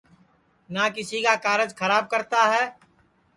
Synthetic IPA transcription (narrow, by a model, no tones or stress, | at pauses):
nakɪsikakaːɾəd͡ʒxʰɐɾaːb̚kɐɾt̪aɦɛː